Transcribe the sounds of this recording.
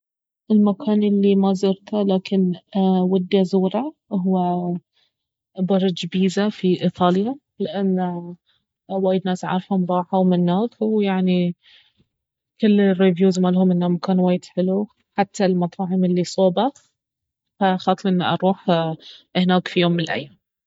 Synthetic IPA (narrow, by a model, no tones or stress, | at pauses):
ʔɪlmakʰaːnʔɪlːimazɑɾt̪alaːkɪnwad̪ːazuːɾˤaɦʊwːa | bɑɾˤd͡ʒbiːzafiʔit̪ˤɑːlja | lɪʔanː | waːjɪd̪naːsʕɑ̰ɾˤfhʊmɾˤɑːħawmɪnːaːkwjaʕni | kʊlːɪrːivjuːzmaːlhʊmʔɪnːamakaːnwaːjːd̪ħɪlu | ħat̪ʰːalmɑt̪ˤɑːʕɪmɪlːisˤoːba | faxɑːt̪ˤlʔɪnːʔɑɾˤuːħ | hnaːkfijoːmːɪnɪlʔa̰jːaːm